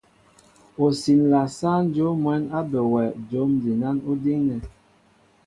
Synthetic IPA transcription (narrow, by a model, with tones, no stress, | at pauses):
o˨si˨nla˨sa˦n̩˦d͡ʒo˨˦mwɛ˨˦na˦bə˨wɛ˨d͡ʒo˨˦mdi˨na˦nu˦di˦ŋnɛ˨